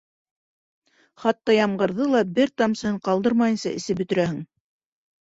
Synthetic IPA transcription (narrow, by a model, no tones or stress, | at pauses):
χɑt̪ːɑjɑmɢɤ̆ɾðɤlˠɑbɘɾt̪ɑmsɤɤɴqɑlˠd̪ɤɾmɑjɤ̆nsɑʔɘ̆sɘp̚bɵt̪ɘ̆ɾæhɘ̆ŋ